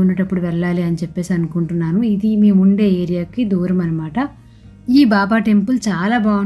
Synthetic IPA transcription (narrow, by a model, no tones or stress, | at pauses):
unːɐʈɐpːuɽuʋɛɭːaːliɐnit͡ʃepːe̞ːsiɐnukuɳʈunːaːnuid̪imiːmuɳɖe̞ːeːɾijaːkid̪uːɾɐmɐnɐmaːʈɐ | iːbaːbaːʈe̞mpult͡ʃaːlaːbaːu